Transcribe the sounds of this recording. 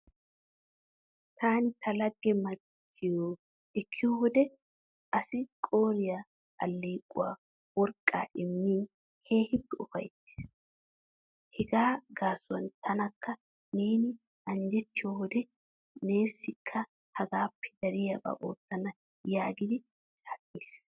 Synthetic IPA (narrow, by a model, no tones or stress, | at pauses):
t̪ʰaːnɪt̪ʰɐlɐɡːɛmɐ | t̪ʰːɪjoː | ɛkʰːɪjɔwɔd̪ɛ | ʔɐsɪkʼo̞ːɾɪja | ʔɐ̰lːeːkʼːʊ̰wa̰ː | wɔɾkʼːa̰ːʔɪmːiːn | kʰe̞ːhɪpːɛɔfɐ̰jt̪ːɪ̥s | hɛɡaːɡaːsʊwɐnt̪ʰɐnɐkʰːɐ | neːnɪ | ɐnd͡ʒɛt̪ːɪjɔwɔd̪ɛ | ne̞ːsːɪkʰːɐ | hɐɡaːpːɛ̥d̪ɐɾɪjaba̰ʔoːt̪ːɐnɐ | jaːɡɪd̪ɪ | t͡ʃʼaːkʼːiːs